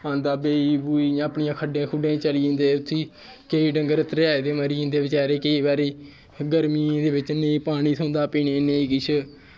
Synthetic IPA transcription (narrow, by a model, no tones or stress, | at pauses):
ãːnd̪aːbeːiːbuːiːãːəpɳijãːkʰəɖẽːkʰʊɖẽːt͡ʃəliĩːnd̪eːʊt̪ʰːiː | keiːɖəŋɡəɾt̪ɾaːeːd̪eːməɾiːĩːnd̪eːbɪt͡ʃaːɾeːkəiːbaːɾeː | ɡəɾmiːd̪eːbɪt͡ʃneĩːpaːɽ̃iːsʰõːnd̪aːpiːneːneːiːkɪt͡ʃʰ